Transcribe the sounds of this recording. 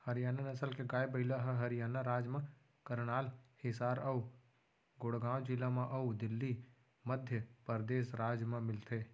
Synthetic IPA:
hɐɾɪjaːnanɐsəlkeɡaːebɐɪlaɦəɦɐɾɪjaːnaɾaːd͡ʒmã | kəɾɽ̃aːlhɪsaːɾɐu | ɡʊɽɡãːw̃d͡ʒɪlãmãʔɐud̪ɪlːi | məd̪ʱjəpəɾd̪eːʃɾaːd͡ʒmãmɪlt̪ʰeː

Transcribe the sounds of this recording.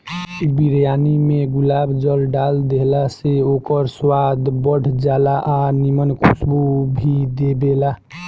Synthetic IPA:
biɾjanimeɡulabd͡ʒəlɖald̪eɦlaseokəɾswad̪bəɽ̤ʱd͡ʒalaʔanimənkʰusbubʱid̪ebela

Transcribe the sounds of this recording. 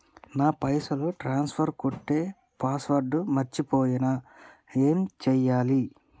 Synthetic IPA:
naːpɐjsɐluʈɾaːnspʰɐɾkoʈːe̞ː | paːsʋɐɾɖumɐɾt͡ʃipoːjinɐe̞ːmt͡ʃɛjːaːli

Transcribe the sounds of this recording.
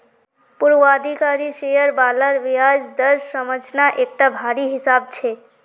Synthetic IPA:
puɾwad̪ʱikaɾiʃejəɾbaləɾʋiad͡ʒd̪əɾsəməd͡ʒʱnaʔek̚ʈabʱaɾiɦisab̚t͡ʃʰe

